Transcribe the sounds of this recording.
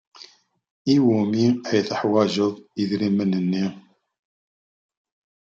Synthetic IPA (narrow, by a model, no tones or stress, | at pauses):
iwumiæjθəħwæʒəðˤiðɾimənənːi